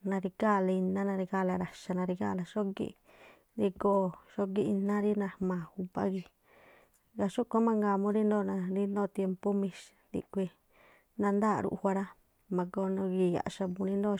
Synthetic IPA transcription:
nã˧ɾi˧ka˦˨la˧i˧nã˦nã˧ɾi˧ka˧˦˨la˧ɾa˨ʃa˧nã˧ɾi˧ka̰˦˨la˨ʃo˦ɡḭ˦˧ | ɾi˧ko˦ʃo˦ɡi˦i˧nã˦ɾi˦nã˧mãː˨hu˧pa̰˦ɣi˧ | ɡa˧ʃo˦kʷa˦mã˧ŋɡa˧˨mõ˧˦ɾi˦nd̪õː˦˨nã˧ɾi˦nõː˦˧˨t̪je˧mpo˦mĩ˧ʃ | d̪ḭ˧kʷi˧ | nã˧nd̪a˦˨ɾṵ˧ʔhʷa˧ɾa˦ | mã˧ko˧nõ˧ɡi˧˨ja̰˨ʔʃa˧mũ˧ɾĩ˧˦nd̪õ˦˧

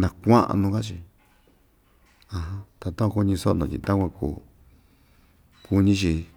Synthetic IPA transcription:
nã˧kʷã˦ʔa̰˧nũ˧ka˦t͡ʃi˧˨ | ã˧ɦã˦t̪a˧t̪ã˦˧ku˧ɲĩ˧so˦˧õ˧˨t͡ʃḭ̃˧t̪a˦kʷã˧kṵ˨ | ku˧ɲĩ˦t͡ʃi˧

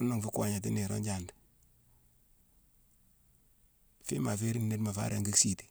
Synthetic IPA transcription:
u˦no˦ŋfu˦kwa˨ɲa˨t̬i˦ni˨ɾo̰˦ɲɟand | fi˦ma˨fe˦ɾi˦n˨ne˦tma˨fa̰˦ɾe˦ŋɡi˦ksi˦ti̥˨

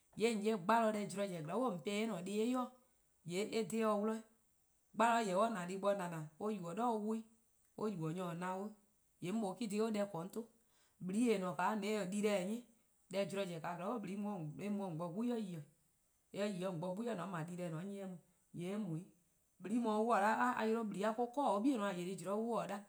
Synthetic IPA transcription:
je˨˦˨d͡ʒe˦ɡ͡ba˦lɔ˧˦dɛ˧˨d͡ʒu˧ɾɔ˧˨d͡ʒɛ̃˨ɡɛ˨˦wo˦˨m̩˨pɛː˦e˦nɔ̃˨deː˧˦e˦jɔ˦ | je˨˦ʔe˦de˦ɔ˧wu˦lɔ˧˦i˦ | ɡ͡ba˦lɔ˧˦jɛ˨wɔ˦nã˨di˧˦ɓɔ˧˦nã˨nã˨o˦ju˨ɔ˨dɔ˦o˧˦wu˧˦i˦ | o˦ju˨wɔ˨ɲɔ̃˨nã˧˦wo˦ | je˨˦m̩˦o˨˦ki˦di˧˦o˦dɛ˧˦kɔ̃˨˦n̩˦to˦ | bi˨ɾi˨˦e˨nɔ̃˨kaː˨˦nɛ̃˨˦ɔ˨di˧ɾɛ˧˦˨ɲẽ˦ | dɛ˧˦˨d͡ʒi˨ɾɔ˧˨d͡ʒɛ˨ka˨klɛ˨˦o˦bɨ˨ɾi˨˦mɔ̃˧˨e˦mũ˧ɔ̃˨ŋ͡m̩˨ɡ͡bɔ˧ku˦ɔ˦ji˨ɔ˨ | e˦jɔ˧˦ji˨ɔ˧˨ŋ͡m̩˨ɡ͡bɔ˧˨ku˦ɔ˦nɔ̃˨˦mã˨di˧ɾɛː˧˨nɔ̃ː˨˦ẽ˦ɛ̃˧˦mũ˧˨ | je˨˦mũ˨˦i˦ | ɓi˨˧ɾi˨˦mɔ̃ː˨˧˦wu˦ɔ˦˨la˦a˦a̰˧˨je˧ɾo˧˦ɓi˨li˨˦a˦ko˦kɔː˦˨o˦ɓi˦e˦nɔ̃˨a˨je˨ɾi˧˨d͡ʒu˨ɾɔ˧˦wu˦ɔ˨da˦

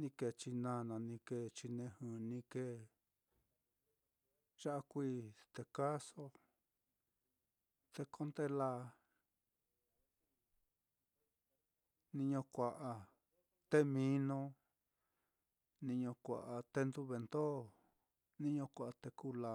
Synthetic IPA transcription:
nĩ˧ke˧˨t͡ʃi˧nã˧nã˨nĩ˧ke˧˨t͡ʃi˧nẽ˧hɨ̃˨nĩ˧ke˧ | ʒ̥a˦a˧kʷiː˦t̪e˧ka˦so˦ | t̪e˧kʰo˦nd̪e˦la˧ | nĩ˧ɲõ˧kʷa˨ʔa˧ | t̪e˦mĩ˧˦nõ˧ | nĩ˧ɲõ˧kʷa̰˨ʔa˧t̪e˦nd̪u˦βe˨˧nd̪o˦ | nĩ˦ɲõ˧kʷa˨ʔt̪e˧ku˦la˧

